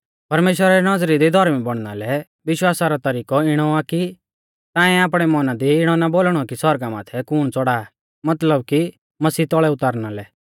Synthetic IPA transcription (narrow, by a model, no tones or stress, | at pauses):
pɐɾmeːʃwəɾaɾinɐd͡zɾid̪id̪ʱɔɾmibɐɽ̃na̰lɛ | ʋɪʃwaːsaɾɔt̪ɐɾiːkɔɪɽ̃ɔaki | t̪ãːɛ̃aːp̬ɽ̃ɛmɔnad̪iɪɽ̃ɔnaboːlɽ̃ɔkisɔɾɡama̰ːt̪ʰɛkʊːɽ̃t͡sɔɽaː | mɐt̪ləbki | mɐsiːt̪ɔɭɛʊt̪aːɾñalɛ